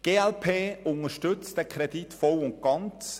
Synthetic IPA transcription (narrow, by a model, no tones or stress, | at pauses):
ɡ̥eːɛlpʰeːʊŋəʃtʏt͡sd̥əkʰɾɛditfɔlʊnt̚ɡ̥ɑnt͡s